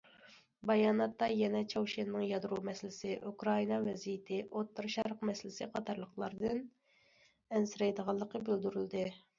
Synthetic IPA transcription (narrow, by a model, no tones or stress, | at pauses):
bɑjɑːnɑt̪ːɑjɛnɛt͡ʃʰɑwʃenːɨŋjɑd̪ɾumɛslɪsɪʔukɾɑinɑvɛzijɪt̪ʰɪʔot̪ːɨɾʃɑɾqmɛsɪlɪsɪqʰɑt̪ʰɑɾlˠəqlˠɑɾd̪ɨn | ɛnsɪɾɛjd̪əʁɑlˠːəqəbyld̪yɾyld̪ɨ